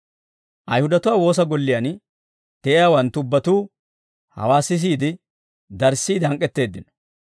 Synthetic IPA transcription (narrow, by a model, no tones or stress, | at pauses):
ʔɐjhʊd̪ɐt̪ʊwaːwo̞ːs̬ɐɡɔlːɪjan | t̪ɛʔɪjaːwɐnt̪ːʊʊbːɐt̪uː | hɐ̰waːsɪs̬iːd̪ɪ | d̪ɐɾsiːd̪ɐŋkʼːɛt̪ːe̞ːd̪ːɪnɔ̥